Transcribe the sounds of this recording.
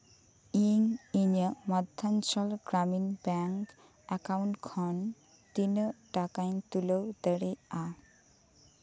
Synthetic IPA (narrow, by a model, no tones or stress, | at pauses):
iŋiɲəmad̪ʱːansɔlɡɾaminbɛŋk | ɛkawɳʈkʰɔn | t̪inəʈakajnt̪uləwd̪əɽea